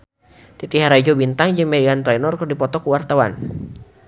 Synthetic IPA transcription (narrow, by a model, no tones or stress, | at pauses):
t̪it̪iɦaɾad͡ʒɔbint̪aŋd͡ʒɨŋmɛdiant̪ɾɛnɔrkərdipɔt̪ɔkuwart̪awa̰n